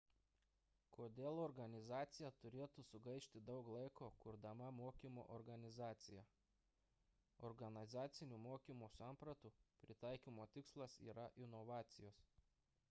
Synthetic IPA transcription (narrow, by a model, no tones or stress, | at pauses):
kʰoːd̪ʲeːlˠɔɾɡɐnʲɪzɑːt̪sʲɪjɛt̪ʊɾʲeːt̪uːsʊɡɐɪʃʲt̪ʲɪd̪ɒʊklˠɐɪkoːkʊɾd̪ɐmɐmoːkʲiːmo̰ːʔɔɾɡɐnʲɪzɑːt̪sʲɪjɛ | ɔɾɡɐnʲɪzɑːt̪sʲɪnʲuːmoːkʲimuːsɑmpɾɐt̪uːpʲɾʲɪt̪ɑˑɪkʲiːmoːt̪ʲɪkslˠɐsḭːɾɐʔɪnɔʋɑːt̪sʲɪjoːs